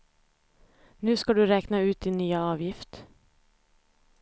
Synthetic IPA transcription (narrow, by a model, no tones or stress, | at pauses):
nʉ̟ːskad̪ɵɾɛːknaʉ̟ːt̪̚d̪ɪnːyːaɑːvjɪft̪